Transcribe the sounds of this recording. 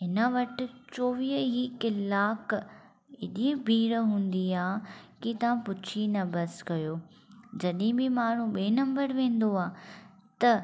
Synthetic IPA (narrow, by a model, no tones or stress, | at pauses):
ɦɪnəʋɐʈɪ̆t͡ɕoːʋiɦɦikɪlaːk | ɪɗibʱiːɽɦũːnd̪iaːkit̪ɐʋãpʊt͡ɕʰinɐbɐskɐjoː | d͡ʑɐɗɦɪ̃bɪmaːɳ̤ũɓeːnɐ̃mbəɾʋẽːn̆d̪oaː | t̪ɐ